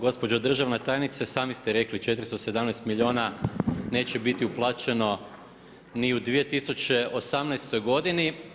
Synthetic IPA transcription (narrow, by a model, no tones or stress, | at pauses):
ɡo̞spo̞d͡ʑod̪r̩ʒaʋnat̪ajnit̪sesaːmist̪eɾe̞klit͡ʃe̞t̪ɾist̪ose̞d̪amnɛjst̪milʲioːnane̞ːt͡ɕebit̪iuplˠaːt͡ʃe̞no̞ | niud̪ʋije̞t̪isut͡ʃe̞ʔosamnɛjst̪o̞jɡo̞d̪ini